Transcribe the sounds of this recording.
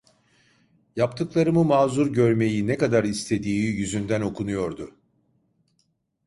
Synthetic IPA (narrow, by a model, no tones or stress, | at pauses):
japt̪ʰɯklˠaɾɯmɯmaːzuɾɟø̞ɾme̞jinɛkad̪aɾist̪ʰe̞d̪iːijyzynd̪æno̞kʰunujo̞ɾd̪ʊ